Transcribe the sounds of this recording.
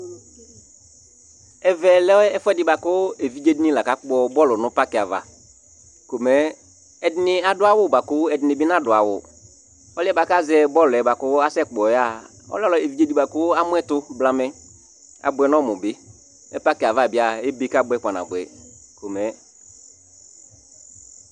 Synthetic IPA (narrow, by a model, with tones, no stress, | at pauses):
ɛ˨vɛ˨lɛ˦ɔ˦ɛ˦fɛ˦dɪ˨ba˨kʊ˦e˨vi˦d͡ʒe˦di˦nĩ˦˨la˨ka˦k͡pɔ˦bɔ˦lʊ˨nʊ̃˦pa˦kɪ˨a˨va̰˨ | ko˨mɛ˨˦ | ɛ˨dɪ˦nɪ˨a˨dʊ˦a˦˨wʊ˦˨ba˨kʊ˦ɛ˨dɪ˨nɪ̃˨bɪ˦nã˦˨dʊ˨a˨wʊ̰˨ | ɔ˦lɪ˦ɛ˦ba˨ka˦zɛ˦bɔ˦lʊ˨ɛ˨ba˨kʊ˦a˦sɛ˦k͡pɔ˨ja˦˨ | ɔ̰˦lɔ˦lɔ˨˦e˨vi˦d͡ʒe˦di˦ba˨kʊ˦a˦mʊ˦ɛ˦tʊ˦bla˦mɛ˦ | a̰˨bʊ˨ɛ˨nɔ̃˦mʊ˨bɪ˦ | ɛ˦pa˦kɪ˨a˨va˨bɪ˦a˨e˦be˦ka˦bʊ˦ɛ˦k͡pa˨na̰˨bʊ˨ɛ̰˨ | ko˨mɛ˨˦